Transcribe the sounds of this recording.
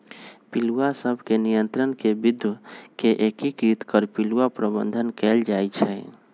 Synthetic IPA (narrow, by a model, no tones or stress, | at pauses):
piluasəbʱkenijənt̪ɾənkebid̪ʱkeʔekikɾit̪kəɾpiluapɾəbə̰nd̪ʱənkɛld͡ʒajt͡ʃʰɛ